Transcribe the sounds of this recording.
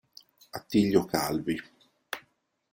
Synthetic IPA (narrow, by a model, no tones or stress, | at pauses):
at̪ːiʎːokalvi